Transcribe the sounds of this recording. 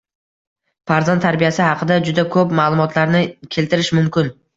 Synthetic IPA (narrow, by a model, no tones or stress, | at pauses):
faɾzant̪ʰːaɾbijasɪhɑqʰɨd̪ad͡ʒʊd̪akʰɵpmaːlˠʊmɒt̪ʰlaɾnɪkʲʰe̞lt̪ʰɪɾɪʃmʊmkʲɪn